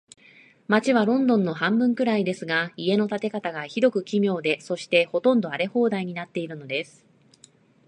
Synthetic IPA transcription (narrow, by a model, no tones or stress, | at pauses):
mat͡ɕiβ̞aɾõ̞nd̪õ̞nːo̞ɦãmbɯ̟̃ŋkɯ̟ɾaid̪e̞sɨɡaie̞no̞t̪at̪e̞kat̪aɡaçid̪o̞kɯ̟kʲimʲjo̞ːd̪e̞so̞ɕi̥t̪e̞ho̞t̪õ̞nd̪o̞aɾe̞ho̞ːd̪aiɲ̟inat̪ːe̞iɾɯ̟no̞d̪e̞sɨ̥